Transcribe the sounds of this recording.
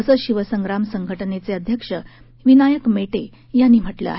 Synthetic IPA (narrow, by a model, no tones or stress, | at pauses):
əsəɕiʋəsəŋɡɾamsəŋɡʱəʈnet͡seəd̪ʱjəkʂə | ʋinajəkmeʈe | janːiːm̤əʈlə̰a̰ɦe